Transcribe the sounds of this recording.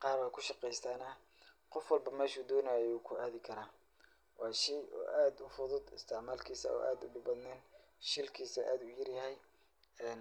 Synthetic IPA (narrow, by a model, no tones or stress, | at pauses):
qɑːrbɐːkʰʊʃɑqɛjst̪ʰaːnɐ | qɔfwɑlbɐmɛːʃuːd̪ɔːnajɛuːkʰʊaːðɪkʰɐɾaː | wɑːʃɛjɔ̰ːʔaːd̪ʊfʊðʊd̪ɪst̪ʰamaːlkʰiːsɐ̰ʔɔ̰ːʔa̰ːd̪ʊ̰ɖʊbɐd̪naːn | ʃɪlkʰiːsɐʔaːd̪ʊjɪrjɐɦɛj | ɛːn